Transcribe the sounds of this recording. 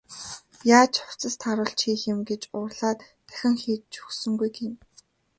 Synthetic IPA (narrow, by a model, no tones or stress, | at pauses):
jaːt͡ɕʰʊ̥w̥t͡sə̆st̪ʰaɾə̆ɮt͡ɕʰxiːxɪ̆mɡet͡ɕʊrɮaːt̪pæ̥xʲɪ̆ŋxiːt̪̚t͡ɕu̥xsɵ̆ŋɡujɡen